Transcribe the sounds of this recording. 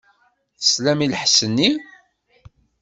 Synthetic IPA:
θəslæmiləħsənːi

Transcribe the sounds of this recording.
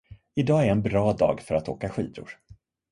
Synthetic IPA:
ɪd̪ɑːæɾɛnbɾɑːd̪ɑ̰ːɡfœɾat̪o̰ːkaɧḭːd̪ʊ̰ɾ

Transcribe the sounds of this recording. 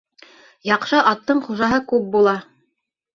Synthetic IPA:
jɑqʃɤʔɑt̪ːɤɴχuʒɑɦɤkʉp̚bulˠɑ

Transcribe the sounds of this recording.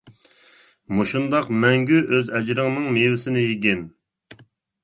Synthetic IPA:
muʃund̪ɑqmɛŋɡʲyʔøzɛd͡ʒɾəŋnɨŋmevɪsɪnɪjiɡʲɛn

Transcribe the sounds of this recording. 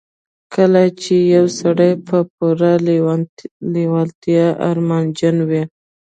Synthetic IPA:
kʰəlat͡ʃejawsaɽajpəp̚uɾa | lewalt̪jɑʔa̰ɾmand͡ʒanwi

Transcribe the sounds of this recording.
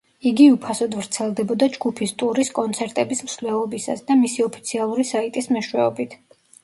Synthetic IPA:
iɡiupʰasɔd̪vɾt̪sʰɛlˠd̪ɛbɔd̪ad͡ʒɡupʰist̪ʼuɾiskʼɔnt̪sʰɛɾt̪ʼɛbismslɛvɔbisa̰sd̪amisiɔpʰi̥t̪sʰialˠuɾisait̪ʼismɛʃwɛɔbit̪ʰ

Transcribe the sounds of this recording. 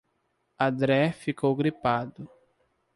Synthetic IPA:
ɐ̃d̪ɾɛfikowɡɾipad̪ʊ

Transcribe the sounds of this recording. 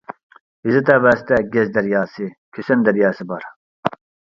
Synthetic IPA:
hizɪt̪ɛvæːst̪ʰɛɡʲɛzd̪ɛɾjɑːsɨkʲʰøsend̪ɛɾjɑːsɨbɑɾ

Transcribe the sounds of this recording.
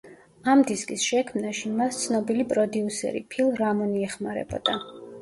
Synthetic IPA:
amd̪iskʼisʃɛkʰmnaʃimast̪sʰnɔbilipʼɾɔd̪iusɛ̰ɾḭpʰilˠɾamɔniɛχmaɾɛ̰bɔ̰d̪a

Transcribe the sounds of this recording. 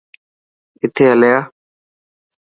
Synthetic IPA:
ɪt̪ʰeːɦəlejaː

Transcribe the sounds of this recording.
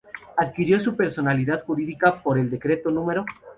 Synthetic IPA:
aðkiɾjo̞supe̞ɾso̞naliðaðxuɾiðikapo̞ɾeld̪e̞kɾe̞t̪o̞nũme̞ɾo̞

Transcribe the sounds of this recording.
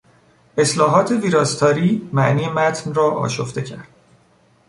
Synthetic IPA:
e̞slɒːɦɒːt̪ʰe̞viːɾɒːst̪ʰɒːɾiːmæʔniːjemæt̪ʰnrɒːʔɒ̰ːʃoft̪e̞cʰæ̰ɾd̪̥

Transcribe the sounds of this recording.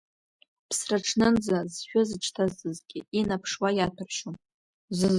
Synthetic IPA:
pʰsraʈ͡ʂʰnɨnd͡zazʃᶣʊzɨt͡ʃʰʼtʰazɨzɡʲɪinapʰʂwajatʰɨrʃom | zɨ

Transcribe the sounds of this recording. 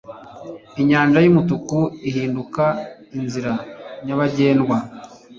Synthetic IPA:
iɲaːnʒajumutukuiɦiːnduka | inziɾaɲaβaɟe̞ːnɡwa

